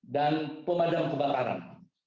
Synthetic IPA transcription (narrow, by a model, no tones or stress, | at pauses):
danpəmadamkəbakaɾa̰n